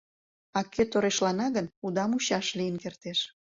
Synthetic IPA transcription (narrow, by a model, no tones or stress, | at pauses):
ɑkøt̪oɾeʃlɑnɑɣənud̪ɑmuɕɑʃlijənkert̪eʃ